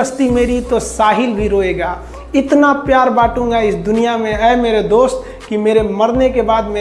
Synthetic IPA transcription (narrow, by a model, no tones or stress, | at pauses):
əst̪imeːɾit̪osaːɦɪlbʱiɾoːeːɡaː | ɪt̪napjaːɾbaːʈũːŋɡaɪsd̪ʊnijamẽɛːmeːɾed̪oːst̪ | kimeːɾemɐɾnekebaːd̪meː